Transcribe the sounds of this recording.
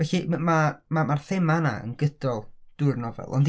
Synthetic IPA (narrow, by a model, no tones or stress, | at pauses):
vɛɬimamamarθɛmana̰ə̰nɡədɔlˠd̥ʊrnɔvɛ̰lˠɔ̰nd